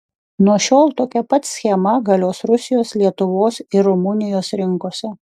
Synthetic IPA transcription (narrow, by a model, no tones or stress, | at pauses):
nuɔʃʲoːlˠt̪oːkʲɛpɐt̪sʲxʲɛmɐɡɐlʲoːsɾʊsʲɪjoːslʲiɛt̪ʊʋoːsɪɾɾʊmʊnʲɪjoːsɾʲɪŋˑkoːsʲɛ